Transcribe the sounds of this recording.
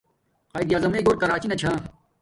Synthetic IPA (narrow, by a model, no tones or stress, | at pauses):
qaːjɡijaːzɐmeːɡoːɾkɐɾaːt͡ɕinɐt͡ɕʰãː